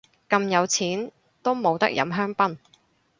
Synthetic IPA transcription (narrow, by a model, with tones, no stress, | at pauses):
kɐ˧mjɐ˨˧wt͡sʰiː˨˥n | t̪o˥wmo˨˧wt̪ɐ̰˥k̚jɐ̰˨˧˥mɦœː˥ŋpɐ˥n